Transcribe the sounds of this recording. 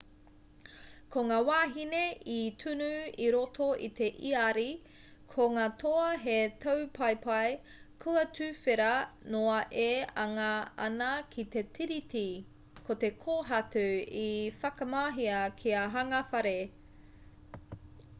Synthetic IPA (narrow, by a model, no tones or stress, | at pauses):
kʰoŋaːwaːɦineʔit̪ʰʉnʉiɾotʰo̞ʔḭt̪e̞ʔiaɾi | kʰoŋaːtʰoɐɦetʰɐwpʰajpʰɐj | kʰuɐtʉːfeɾɐnoɐʔeɐŋɐɐ̰nɐkʰit̪e̞tʰiɾit̪i | kʰot̪e̞kʰoːɦɐtuifɐkɐmaːɦiɐkʰiɐɦɐŋɐfɐɾe